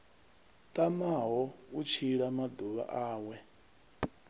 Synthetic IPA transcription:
t̪ʼamaɦɔut͡ʃʰiɺamad̪uβa̰ʔaːwɛ

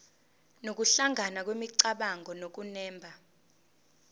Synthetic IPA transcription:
nok̬uɬaŋanak̬wemiǀaɓaŋʱɔnok̬unɛːmbʱa

